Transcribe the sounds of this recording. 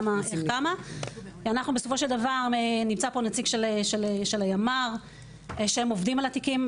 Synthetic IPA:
makama | anaχnubeso̞fo̞ʃe̞ld̪avaʁnimt͡sapo̞net͡siɡʃeleʃeleʃelajamaʁ | ʃehemo̞vdimalatikim

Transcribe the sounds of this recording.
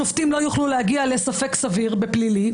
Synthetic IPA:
oft̪imlo̞juχlulehaɡiale̞safe̞ksaviʁbeplili

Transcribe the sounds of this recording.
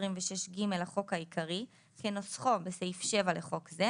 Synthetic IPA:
ʁimveʃeʃɡime̞lhaχo̞khaikaʁi | kenosχo̞beseifʃe̞valeχo̞kze

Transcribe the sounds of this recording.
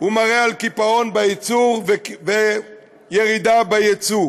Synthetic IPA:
umaʁealkipaʁonbait͡suʁve | jeʁidabajet͡su

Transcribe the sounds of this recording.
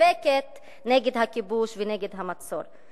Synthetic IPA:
eket̪ | neɡed̪hakibuʃveneɡed̪ɦamat͡so̞̰ɾ

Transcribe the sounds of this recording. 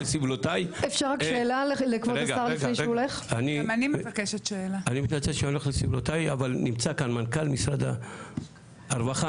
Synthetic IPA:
esivlotajefʃaʁʁakʃeːlalikvot̪aaʁifnejʃole̞χanimanimakeʃet̪ʃeelaanimitnat͡seʃeoleχlesivlot̪ajavalnimt͡sakanmankalmisʁad̪a | ʁvaχa

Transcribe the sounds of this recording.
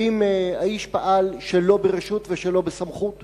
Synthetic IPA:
imaiʃpaʔalʃelo̞beʁeʃutveʃelo̞besamχut

